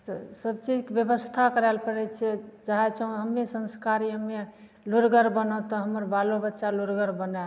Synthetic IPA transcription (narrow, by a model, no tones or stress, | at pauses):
t̪ɔsəbt͡ʃid͡ʒkebjəbəst̪ʰakəɾɛlpəɾɛt͡ʃʰɛd͡ʒaɦɛt͡ʃʰəɦũɦəmːesə̃nskaɾijəmːe | luɾɡəɾbənɔt̪ɔɦəməɾbalobətːʃaluɾɡəɾbənɛ